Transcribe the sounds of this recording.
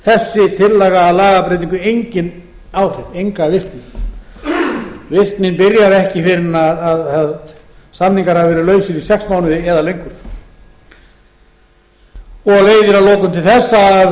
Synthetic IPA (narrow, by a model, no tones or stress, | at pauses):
θɛsːɪt̪ʰɪlːɛːɣaːðlaːɣapɾejt̪iŋkʏejɲcɪn | awr̥ɪðejŋkavɪrt̪nɪn | vɪr̥t̪nɪnpɪɾjaɾɛhcɪfɪɾɪnaðːðað | samniŋkaɾ̥havɪvɛːɾɪlœːɥsɪɾisɛksmaːwnʏðɪɛðalejŋkʏɾ̥ | ɔɣleːjðɪɾalɔːkʏmt̪ʰɪlθɛsːaː